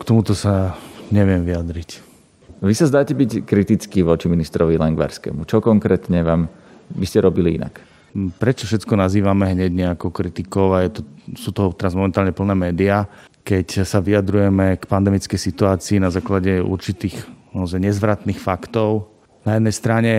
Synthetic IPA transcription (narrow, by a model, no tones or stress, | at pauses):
kt̪ɔmut̪ɔsaɲɛʋɪɛmʋijad̪ɾic | ʋisazd̪aːcɛbickɾit̪it͡skiʋɔt͡ʃiminist̪ɾɔʋilɛŋɡʋa̰ɾskɛ̰mut͡ʃɔkɔŋkɾɛːt̪ɲɛʋaːm | biscɛɾɔbiliḭna̰k | pɾɛt͡ʃɔfʃɛt͡skɔnaziːʋamɛɦɲɛɟɲɛakɔʊkɾit̪ikɔʊajɛt̪ɔsuːt̪ɔɦɔt̪ɛɾazmɔmɛnt̪aːlɲɛpl̩nɛːmɛːd̪iakɛcsaʋiad̪ɾujɛmɛkpand̪ɛmit͡skɛjsit̪uaːt͡siːnazaːklaɟɛṵɾt͡ʃit̪iːxmɔzajɲɛzʋɾat̪nixfakt̪ɔʊ | najɛd̪nɛjst̪ɾaɲɛ